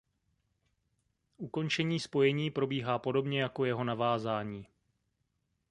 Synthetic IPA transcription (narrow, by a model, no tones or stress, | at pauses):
ʔuko̞nt͡ʃɛɲiːspo̞jɛɲiːpɾo̞biːɦaːpo̞do̞bɲɛjako̞jɛɦo̞navaːzaːɲiː